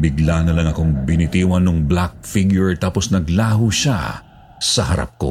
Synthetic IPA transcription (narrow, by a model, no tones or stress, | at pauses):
bɪɡlanɐlɐŋɐkoŋbɪnɪt̪iːwɐnʊŋblak̚fiɡjʊɹt̪aːpo̞snɐɡlaːɦuʃa̰ | sɐɦɐɾa̰p̚ko̞̰